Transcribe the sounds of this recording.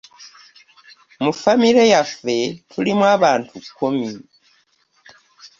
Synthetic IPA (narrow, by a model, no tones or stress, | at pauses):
mufamiɾejafe̞tʰulimwaβaːntʰukʰomi